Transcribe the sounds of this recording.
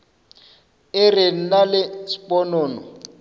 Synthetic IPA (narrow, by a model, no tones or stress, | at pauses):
ɪren̩nalɪsi̥pɔnɔːnɔ̰